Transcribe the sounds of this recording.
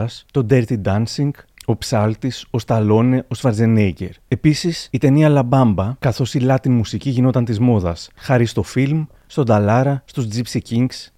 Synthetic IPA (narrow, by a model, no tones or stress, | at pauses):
ɐst̪o̞d̪eɾt̪id̪ɐnsiŋɡo̞psɐlt̪iso̞st̪ɐlo̞ne̞ʔo̞svɐɾze̞nejce̞ɾe̞pisisit̪e̞niɐlɐbɐmbɐkɐθo̞silɐt̪inmusiciʝino̞t̪ɐnt̪izmo̞ðɐsxɐɾist̪o̞film | st̪o̞d̪ɐlɐɾɐst̪uzd͡zipsiciŋɡs